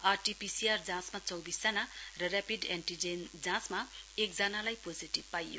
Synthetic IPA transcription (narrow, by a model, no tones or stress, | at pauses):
arʈipisiard͡zãsmat͡sʌwbisd͡zʌnarʌrapiɖeɳʈid͡zend͡zãsmaek̚d͡zʌnalajpod͡ziʈib̚pajo